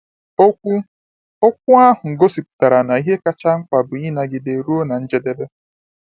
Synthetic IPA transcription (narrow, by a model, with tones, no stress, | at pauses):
o˦kʷu˦ | o˦kʷu˦a˦ɦʊ˨ŋ̩˨ɡo˦si˨pʊ̥˨ta˨ɾa˨na˨i˦ɦe˦ka˦t͡ʃa˦ŋ̩˦k͡pa˨bʊ˨i˦na˨ɡɪ˨de˨ɾu˦o˦na˨n̩˦d͡ʒe˦de˦be˦